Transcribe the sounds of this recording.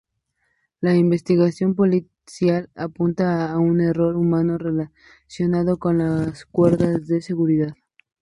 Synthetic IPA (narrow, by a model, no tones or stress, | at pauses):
laimbe̞st̪iɣasjo̞mpo̞li | sjalapunt̪aːune̞ro̞ɾumano̞re̞la | sjo̞nað̞o̞ko̞nlaskweɾðazðe̞se̞ɣuɾiðað